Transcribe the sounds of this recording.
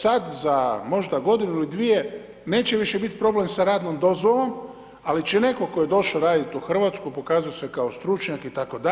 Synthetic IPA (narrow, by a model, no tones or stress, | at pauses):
sad̪zamo̞ʒd̪aɡo̞d̪inuilid̪ʋije̞ | ne̞ːt͡ɕeʋiʃebit̪pɾo̞ble̞msaɾaːd̪nomd̪o̞zʋolo̞m | alit͡ʃene̞ko̞kojed̪o̞ʃaoɾaːd̪it̪uxr̩ʋat̪skupo̞kaːzujose̞kaost̪ɾut͡ʃɲakit̪ako̞d̪a